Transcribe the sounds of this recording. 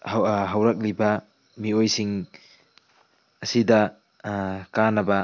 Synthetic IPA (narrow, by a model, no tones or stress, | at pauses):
hɦɐwɾak̚libɐ | miojsiŋ | ɐsidɐ | kanɐbɐ